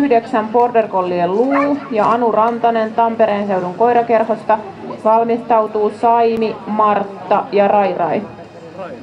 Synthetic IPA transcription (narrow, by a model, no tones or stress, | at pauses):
hdeksæmpo̞rt̪erkolːielluːjɑɑnurɑnt̪ɑnent̪ɑmpeɾeːnse̞wduŋko̞jɾɑke̞rho̞st̪ɑ | ʋɑlmist̪ɑwt̪uːsɑjnimɑrt̪ːɑjɑrɑjrɑi